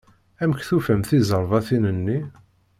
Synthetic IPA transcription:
æməkθufæmθizˤəɾˤvæθinənːi

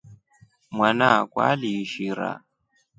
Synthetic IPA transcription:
mwanakwa̰liʃiɾa̰

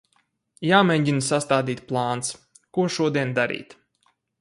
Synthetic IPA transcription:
jaːmɛɲɟinsast̪aːd̪iːt̪̚plˠɑːns | kuɔʃuɔd̪iɛnd̪aɾḭːt̪

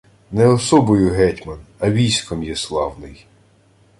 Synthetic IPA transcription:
nɛɔsɔbɔjʊɦɛtʲmɐnɐʋʲijsʲkɔmjɛslˠɑwnɪj

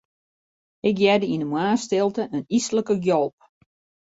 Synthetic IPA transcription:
ɪkjɛdəinəmwaːstɪlˠtəʔənisləkəɡjolˠp̚

